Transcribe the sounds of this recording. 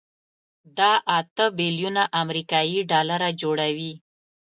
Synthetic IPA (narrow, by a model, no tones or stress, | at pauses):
d̪ɑʔat̪əbiljunaʔamɾikɑjiɖɑlaɾad͡ʒoɽawi